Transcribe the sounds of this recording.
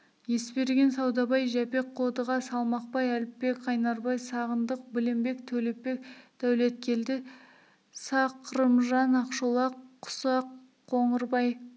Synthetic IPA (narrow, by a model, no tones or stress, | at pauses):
je̞spe̞ɾɡʲe̞nsɑwd̪ɑbɑjʒæpe̞k̚qʰod̪əʁɑsɑlˠmɑq̚pɑjælɪpːe̞kɑjnɑɾbɑjsɑʁənd̪əq̚bɪlɪmbe̞kt̪ʰɵlepːe̞k̚d̪̥æwle̞t̪̚kʲʰe̞ld̪ɪ | sɑqʰəɾəmʒɑnɑqʃolˠɑqʰːʊ̥sɑqʰː | o̞ɴəɾbɑj